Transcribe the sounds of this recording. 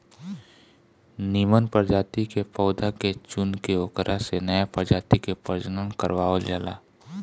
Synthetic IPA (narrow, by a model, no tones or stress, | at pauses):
niːmənpəɾd͡ʒaːt̪ikepəʊd̪ʱaket͡ʃʊnkeokɾʔasenəjapəɾd͡ʒaːt̪ikepəɾd͡ʒənənkə̰ɾʋaːold͡ʒaːla̰ː